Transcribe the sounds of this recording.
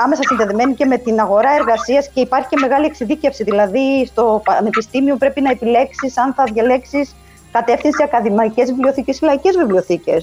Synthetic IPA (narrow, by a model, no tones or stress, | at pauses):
ɐme̞sɐsinðe̞ðeme̞nice̞me̞t̪inɐɣo̞ɾɐe̞ɾɣɐsiɐsce̞ipɐɾçi̥ceme̞ɣɐlieksiðice̞fsiðilɐðist̪o̞pɐne̞pist̪imio̞pɾe̞pinɐe̞pile̞ksisɐnθɐðʝɐle̞ksis | kɐt̪e̞fθinsiɐkɐðimɐce̞zvivlioθicesfilɐice̞zvivlio̞θice̞s